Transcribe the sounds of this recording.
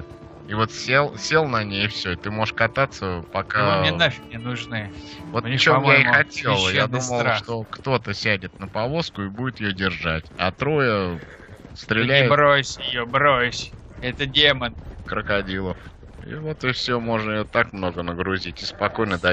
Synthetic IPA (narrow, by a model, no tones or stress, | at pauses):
ɪvo̞t̪sʲelˠsʲe̞lˠnɐnʲejɪfsʲɵɪt̪ɨmo̞ʐɨʂkɐt̪at̪sːəpɐkanʲenofʲɪnʲɪnʊʐnɨvo̞t̪t͡ɕomjeɪxɐtʲelˠəjad̪uməlˠʂt̪o̞kt̪o̞t̪əsʲædʲɪt̪̚nəpɐvo̞skʊɪbudʲɪt̪jɪjodʲɪrʐatʲat̪ɾo̞jə | st̪ɾʲɪlʲæjɪbɾosʲɪjobɾosʲ | ɛt̪ədʲemənkɾəkɐdʲilˠəf | ḭvo̞t̪ɪfsʲomo̞ʐnəɪjo̞t̪akmno̞ɡənəɡɾʊzʲitʲɪspɐko̞jnəd̪ɐ